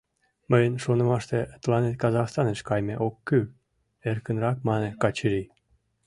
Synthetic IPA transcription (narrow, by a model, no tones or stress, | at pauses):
məjənʃonə̆mɑʃt̪et̪əlɑnet̪̚kɑzɑxst̪ɑneʃkɑjmeʔokːy | erkənrɑkmɑnekɑt͡ɕəɾi